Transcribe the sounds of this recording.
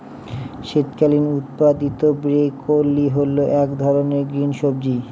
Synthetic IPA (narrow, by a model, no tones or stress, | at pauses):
ʃet̪kalinut̪pad̪it̪obɾekʰolːiɦolːoʔɛkd̪ʱɔɾoneɾɡɾinʃobd͡ʑi